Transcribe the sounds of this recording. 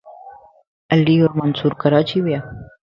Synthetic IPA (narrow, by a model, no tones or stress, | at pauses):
əlːioːɾmənsuːɾkəɾat͡ʃʰiʋjaː